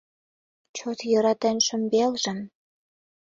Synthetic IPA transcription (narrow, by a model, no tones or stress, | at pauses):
t͡ɕot̪jɤ̆ɾɑt̪æ̆nʃə̆mbelʒə̆n